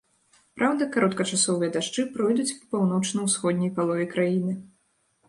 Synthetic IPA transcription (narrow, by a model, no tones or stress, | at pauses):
pɾʔawd̪ɐkaɾɔt̪kɐt͡ʂasɔvɨjɐd̪aʂt͡ʂɨpɾɔjd̪ut͡sʲpɐpawn̪ɔt͡ʂnɐwsxɔd̪ʲnʲɛjpalˠɔvʲɛkɾajinɨ